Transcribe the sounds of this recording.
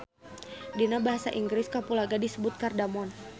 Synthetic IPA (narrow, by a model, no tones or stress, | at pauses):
dinabaɦasaʔiŋɡɾɪskapulaɡadisəbʊt̪̚kardamɔn